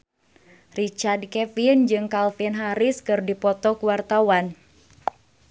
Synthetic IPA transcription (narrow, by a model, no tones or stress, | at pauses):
rit͡ʃardkɛfind͡ʒɨŋkalfinɦaɾiskɨrdipɔt̪ɔkuwart̪awan